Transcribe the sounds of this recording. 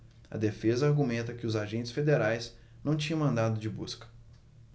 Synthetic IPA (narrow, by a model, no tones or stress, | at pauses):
ɐ̰d̪efezɐaɾɡumẽnt̪ɐkɪʊzaʒẽnt͡ʃɪ̥sfed̪eɾajs | nɐ̃w̃t͡ʃĩɲ̃ɐ̃w̃mɐ̃nd̪ad̪ʊd͡ʒɪbuskɐ̥